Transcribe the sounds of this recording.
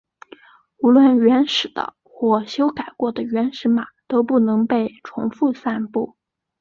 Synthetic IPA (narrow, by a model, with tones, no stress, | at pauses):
u˧˥lwə˥˩nɥɛ˧˥nʂɻ̩˨˩d̪ə̰˦ | xwɔ˥˩ɕjo˥ʊka˨˩ɪkwɔ˥˩d̪ə˨˩ɥɛ˧˥nʂɻ̩˧˥ma˨˩t̪o˥ʊpu˥˩nɤ˧˥ŋpe˥˩ɪʈ͡ʂʰʊ̰˧˥ŋfu˥˧sa˥˧npu˥˩